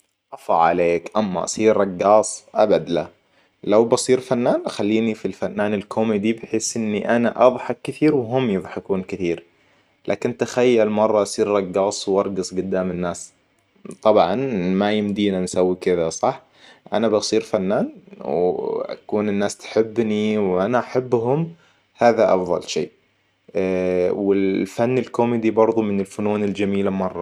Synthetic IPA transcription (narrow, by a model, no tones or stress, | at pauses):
ʔɑfɑ̰ʕʕa̰leːkʔamːa̰ʔɑ̰sˤiːɾɾˤɑɡːɑːsˤʔabad̪la | lawbɑsˤiːɾfanːaːnxalːiːnifilfanːaːnɪlkʰomid̪ibɪħeːsʔɪnːiʔanaʔɑðˤħɑkːɪθiːɾwɦʊmːjɨðˤħɪkuːnkɪθiːɾ | la̰ːkɪnt̪axajːalmɑrˤːɑʔɑsˤiːɾɾˤɑɡːɑːsˤwʔɑɾˤɡɑsˤɡʊd̪ːaːmɪnːaːs | t̪ˤɑbʕɑ̰nmajɪmd̪iːnansawːikɪðasˤɑħ | ʔanabɑsˤiːɾfanːaːnwʔa̰kuːnɪnːaːst̪ḁħɪbːniwʔanaʔaħabːɦʊm | haːðaʔɑ̰fðˤɑ̰lʃḛːʔ | wɪlfanːɪlkomɪd̪ibɑɾˤðˤumɪnɪlfʊnuːnɪld͡ʒamiːlamɑrˤːɑ